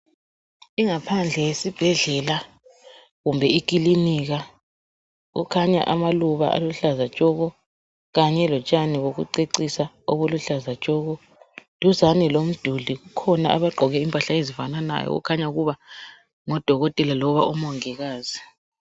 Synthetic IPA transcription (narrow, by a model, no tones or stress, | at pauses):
iŋapʰand͡ɮʱɛjesib̥ʱɛɮɛla | ɣumbʱɛik̬ʼiliniɣa | ɣṵkʰaɲa̰ʔamaluβa̰ʔa̰luɬazḁt͡ʃʼɔɣɔ | ɣaɲɛlɔt͡ʃʼaniɣoɣṵǀeǀisa | oβuluɬazḁt͡ʃʼɔːɣɔ | d̥ʱuzanɛlom̩d̥ʱuliɣukʰɔna̰ʔa̰βaɡ͡ǃʱɔɣɛimpʼaɬaezifanana̰jɔ̰ṵkʰaɲauɣuβa | ŋɔd̥ʱɔɣɔtʼɛlalɔβaumɔŋiɣaːzi